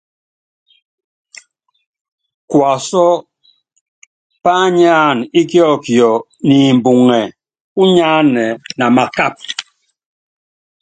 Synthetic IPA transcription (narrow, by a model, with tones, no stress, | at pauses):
kwa˨sɔ˦ | pa˦ɲaː˦˨ni˦kjɔ˦˨kjɔ˨ | ni˨m̩˨bu˨ŋɛ˨ | u˦ɲaː˦nɛ˨na˨ma˨ka˦˨p̚